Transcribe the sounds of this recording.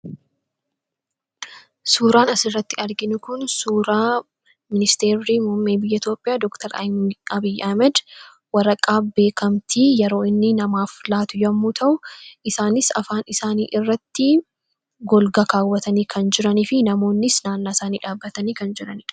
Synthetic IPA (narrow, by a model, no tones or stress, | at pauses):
suːɾaːnɐsɪrːɐt̪ːɪɐɾɡɪnʊkʊnsuːɾaː | mɪnɪst̪eːɾːiːmʊmːeːbɪjːɐɪt̪jo̞ːpʼɪjaːd̪ɔkt̪ɐɾɐ̰ɐbɪjːɐhmɛd̪ | wɐɾɐkʼaːbe̞ːkɐmt̪ʰiːjɛɾo̞ːɪnːɪnɐmaːflaːt̪ʊjɐmːuːt̪ʰɐʔʊʔɪsaːnɪsɐfaːnɪsaːniːʔɪrːɐt̪ːɪ | ɡɔlɡɐkaːwːɐt̪ʰɐniːkʰɐnd͡ʒɪɾɐniːfɪnɐmo̞ːnːɪsnaːnːaːɪsaːnḭːᶑaːbːɐt̪ɐniːkɐnd͡ʒɪɾɐnɪᶑ